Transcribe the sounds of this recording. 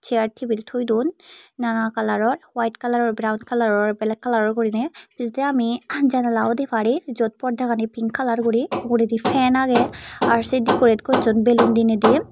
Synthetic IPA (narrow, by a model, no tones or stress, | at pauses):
t͡ʃʰiaɹtʰibiltʰojdunːanakalaɹɔɹwajtkalaɹɔɹbɹawndkʰalaɹɔɹbɛlɛkːalaɹɔɹɡuɹinɛpʰistɛamizanalawd̪ipʰaɹizɔt̪̚pɔɹd̪ʱakanipʰiŋkʰalaɹɡuɹiɡuɾidipʰɛnaɡɛaɹsidikʰɔɹɛt̚kɔtzunbelind̪inɛdi